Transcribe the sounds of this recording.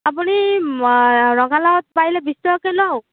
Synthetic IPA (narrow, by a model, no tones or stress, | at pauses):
apuni | ɹɔɡalɔɔt̚pailɛbistɔɔkenɔw